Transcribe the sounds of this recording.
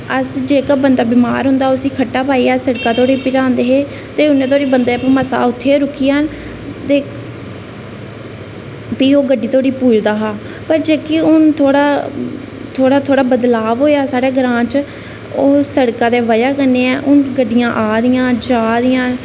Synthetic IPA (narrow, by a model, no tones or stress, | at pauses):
əsd͡ʒeːkabənd̪aːbɪma̰ːɾɦʊ̃nd̪aːʊsĩːkʰəʈːaːpaːiːaːsəɽkãːt̪ʰoːɽiːpɪt͡ʃãːnd̪eːɦeː | t̪eːʊnːẽːt̪ʰoːɽiːbənd̪eːpːməsa̰ːʊt̪ʰːeːɾʊkʰːiːən | t̪eː | piːoːɡəɖːiːt̪ʰoːɽiːpuːd͡ʒd̪aːɦaː | pəɾd͡ʒeːkiʊnt̪ʰoːɽaː | t̪ʰoːɽaːt̪ʰoːɽaːbəd̪laːʋɦoːeaːsaːɽeːɡɾãːt͡ʃ | oːsəɽkãːd̪eːʋəd͡ʒaːkənːeːɛːʔʊnɡəɖːɪjãːʔaːd̪ɪjãːd͡ʒaːd̪ɪjãː